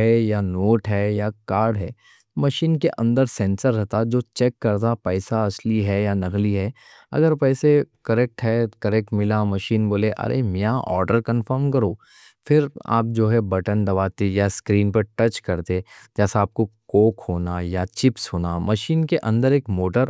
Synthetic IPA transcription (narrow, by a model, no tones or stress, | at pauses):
ɦɛjanoːʈɦɛjakaːɾɖɦɛː | mɐʃiːnkeʔɐ̃nd̪əɾsɛ̃ːnsəɾːɛɦt̪ad͡ʒoːt͡ʃɛːkːɐɾt̪apɛːsaɐsliɦɛjanɐɡliɦɛː | ɐ̰ɡəɾpɛːsekɐɾeːk̚ʈɦɛkɐɾɛːk̚ʈmɪlamɐʃiːnboːleʔɐ̰ɾḛmɪjãʔɔ̰ːɾɖəɾkɐ̃nfəɾmkɐɾoː | fɪɾa̰ːp̚d͡ʒoːɦɛbɐʈənd̪ɐbaːt̪ejaskɾiːnpɐɾʈɐt͡ʃkɐɾt̪ed͡ʒɛːsaaːp̚kokoːkhoːnajat͡ʃɪpsɦoːnamɐʃiːnkeʔɐ̃nd̪əɾeːkmoːʈəɾ